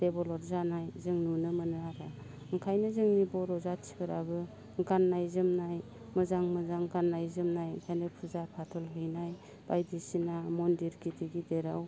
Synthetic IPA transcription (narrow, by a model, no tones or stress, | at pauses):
d̥ebɔlɔɾzanajzɯŋnunɯmɯnɯaɾa | ŋkʰajnɯzɯŋnibɔɾɔzat͡ʃʰi̥kɯɾabɯ | ŋɡanːajzɯmnaj | mɯzaŋmɯzaŋɡanːajzɯmnaj̰ŋkʰajnɯpʰɯzapʰatʰɔlɦɯjnaj | b̥ajdisinamɔndiɾkitiɡideɾaw